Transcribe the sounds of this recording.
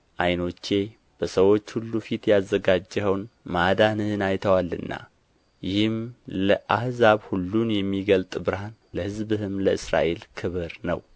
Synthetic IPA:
ʔajno̞t͡ʃːe̞ | b̥əsəwo̞t͡ʃːhulːufit̪jazːəɡad͡ʒːhəwnmad̪anɨhɨnajt̪ʰəwalːɨ̰nːa̰ | jɪhɨmləʔahzaβhulːunjɛmːiɡəlt̪ʼbɨɾhanləhɨzbɨhɨmləɨsɾa̰ʔe̞lkʰɨβɨɾnə̰w

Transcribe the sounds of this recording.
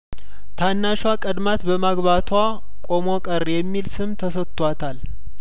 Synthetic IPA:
t̪ʰanːaʃwakʼəd̪mat̪bəmaɡβat̪ʰwa | kʼo̞mo̞kʼəɾjɛmːilsɨmt̪ʰəsət̪ʼːwat̪ʰal

